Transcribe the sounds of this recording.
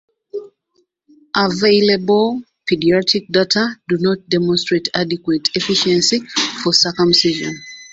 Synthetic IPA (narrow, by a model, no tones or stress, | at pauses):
ʔaveɪlɛbol | pidiɔtʰik̚datʰadunɔt̚dɛmɔ̃nstɹ̥etʰadikwetʰɛfiʃɛ̃nsifɔsəkə̃msiʒɔ̰̃n